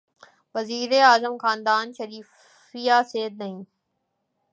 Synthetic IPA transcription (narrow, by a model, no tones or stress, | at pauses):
ʋəziːɾeːaːzəmxaːnd̪aːnʃəɾiːf | ijaːseːd̪̚nɐɦĩː